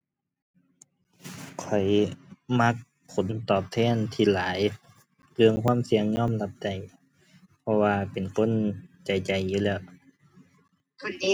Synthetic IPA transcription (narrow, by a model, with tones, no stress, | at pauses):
kʰɔ˨˩jma˧˥k̚ | pʰːo˨˩˦nt̪ɔː˧˨˩p̚t̪ʰɛː˧˥˩nt̪ʰiː˧˩laː˨˦j | lɯ˧əŋkʰwaː˧˥˨msi˧əŋɲɔː˥˨mla˧p̚t͡ɕa˨˩j | pʰɔ˧waː˧pe˨˩nkʰo˧˥˨nt͡ɕa˨˩jt͡ɕa˨˩jːuː˧˩lɛː˧˩˨w